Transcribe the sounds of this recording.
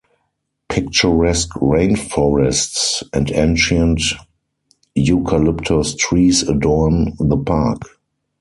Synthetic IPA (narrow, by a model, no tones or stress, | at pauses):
pʰɪkt͡ʃɔɹɛskɹẽɪ̃nfɔɹɛstsɛ̃ntẽnʃə̃nt | jukʰalɪptʰɔstɹiːsədɔnðəpʰak